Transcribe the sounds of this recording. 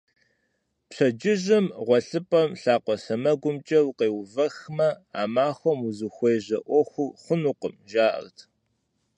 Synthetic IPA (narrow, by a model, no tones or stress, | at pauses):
pɕʰɐd͡ʒɪʑɪmʁʷɔɬɨpʼɐmɬaːqʷɔsɐmɐɡʷʊmt͡ʃʼɐwqeːwvɐxmɐaːmaːxʷɔmuzɨxʷejʑɐʔʷɔxʷʊχʷʊnuqəmʒaːʔɐ̰rtʰ